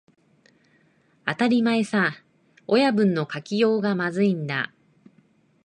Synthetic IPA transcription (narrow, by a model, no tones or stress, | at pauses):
at̪aɾʲimae̞sa | ojabɯ̟̃nːo̞kakʲijo̞ːɡamazɨĩnd̪a̰